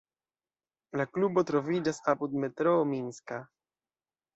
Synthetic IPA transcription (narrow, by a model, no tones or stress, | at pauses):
laklubɔt̪ɾɔvid͡ʒasaput̪̚mɛt̪ɾɔːminska